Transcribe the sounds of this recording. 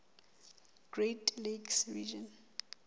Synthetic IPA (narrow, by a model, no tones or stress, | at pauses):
ɡ̥ɹetliɡsvḭʒɔ̃n